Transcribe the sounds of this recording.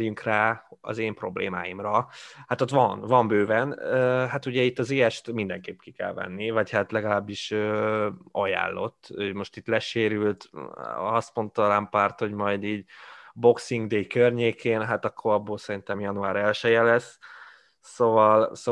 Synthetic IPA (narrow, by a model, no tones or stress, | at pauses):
jyŋkraːɒ̰zeːmpro̞blḛːma̰ːjimrɒhat̪ot̪ʋɒnvɒmbøːvɛnøɦat̪uɟɛit̪ːɒzeːɛʃt̪mind̪ɛŋkeːpki̥kɛ̰lvɛ̰nːivɒchat̪lɛɡɒlaːbːiʃøːɒja̰ːlːo̞t̪ːøːmo̞ʃt̪it̪lɛʃeːɾylt̪ | ɒst̪mo̞nt̪ɒlampaːrt̪ho̞ɟmɒjd̪iːɟbo̞ksiŋɡd̪eːjkørɲeːkʰeːnɦat̪ɒkʰːo̞ɾɒbːoːlsɛɾint̪ɛmjɒnuaːɾɛlʃɛjɛlɛsː | ovɒlso